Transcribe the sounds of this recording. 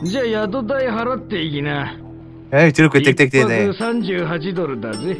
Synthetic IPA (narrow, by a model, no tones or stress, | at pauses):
d͡ʑaːjad̪od̪aiɦaɾat̪ːe̞ikʲina | et͡ɕiɾokɯjatt̪ekit̪eki̥t̪eneɯsãɲd͡ʑɨːɦat͡ɕid̪o̞ɾɯ̟d̪aze